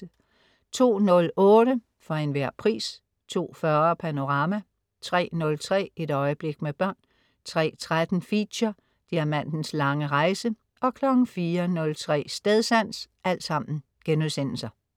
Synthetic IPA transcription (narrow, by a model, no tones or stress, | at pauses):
t͡sʰo̝̰ːnɔ̽lɔ̽ːɾə | fɒ̽e̝nʋæɐ̰pʰʁḭːs | t͡sʰo̝̰ːfɶɐpʰæno̝ʁɑ̈mæ | t͡sʰʁɛ̰ːnɔ̽lt͡sʰʁɛ̰ːeɾ̥ɒ̽ɪəb̥le̝ɡ̥̚meb̥ɶɐ̰n | t͡sʰʁɛ̰ːt͡sʰʁad̥n̩fi̥ɕɐ | d̥iæɐmæn̰n̩slɑ̈ŋəʁɑ̈ɪsə | ɒ̽kʰlɒ̽ɡ̥n̩fiːɐnɔ̽lt͡sʰʁɛ̰ːsd̥eð̞ˠsæn̰sʔæl̰d̥sɑ̈m̰n̩ | ɡ̥enusen̰l̩sɐ